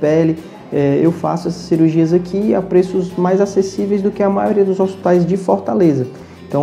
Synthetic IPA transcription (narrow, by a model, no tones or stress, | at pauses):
pɛlɪ | ɛewfa̰sʊɛsɐ̥sːiɾuɾʒiɐzakʰia̰pɾesʊzmajzasesivejzd̪ʊkɪɐmajoɾiɐd̪ʊzospi̥t̪ajzd͡ʒɪfoɾt̪alezɐ | ẽt̪ɐ̃w̃